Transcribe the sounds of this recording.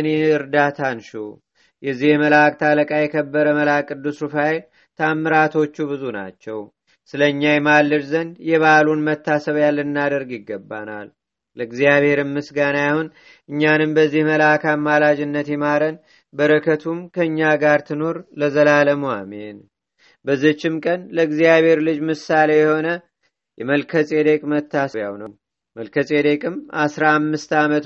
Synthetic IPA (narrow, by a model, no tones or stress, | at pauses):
neɨɾd̪at̪ʰanʃu | jɛzːihməlak̚ʼt̪ʰaləkʼajɛkʰəbːəɾəməlakʼːɨd̪ːusufajel | t̪ʰamːɨɾat̪ʰo̞t͡ʃːuβɨzuna̰t͡ʃːɛw | sɨləɨɲːajɛmalːɨɾzənd̪jɛβalunmət̪ʰːasəβjalːɨɨnːad̪əɾɡɪɡːəbːa̰na̰l | ləɡzijaβhe̞ɾɨmːɨsɡanajahun | ʔɨɲːanɨmbəzːihməlakamːalad͡ʒɪnːət̪jɛmaɾən | bəɾəkʰət̪ʰumkʰəɨɲːaɡaɾt̪ʰɨno̞ɾləzəlaləmua̰men | bəzːɨt͡ʃːɪmkʼənləɨɡzijaβhe̞ɾlɨd͡ʒmɨsːale̞jɛho̞nə | jɛməlkʰəsʼe̞d̪ekʼmət̪ʰːasəβjawnəw | məlkʰəsʼed̪ekʼɨmasɾaːmːɨst̪amət̪